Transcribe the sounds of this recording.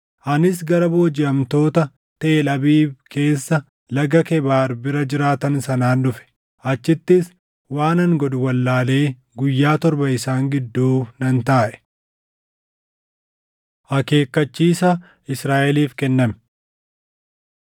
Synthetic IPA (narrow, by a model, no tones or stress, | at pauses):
ʔɐnɪs̬ɡɐɾɐbo̞ːd͡ʒɪʔɐmt̪o̞ːt̪ɐ | t̪eːlɐbiːbkʰe̞ːsːɐ | lɐɡɐkɛbaːɾbɪɾɐd͡ʒɪɾaːt̪ɐnsɐnaːnᶑʊfɛ̥ | ʔɐt͡ʃːɪt̪ːɪs | waːnɐŋɡɔd̪ʊwɐlːaːle̞ː | ɡʊjːaːt̪ɔɾbɐɪsaːŋɡɪd̪ːuːnɐnt̪aːʔɛ̥ | hɐke̞ːkːɐt͡ʃːiːsɐ | ɪsɾaːʔɛliːfkɛnːɐm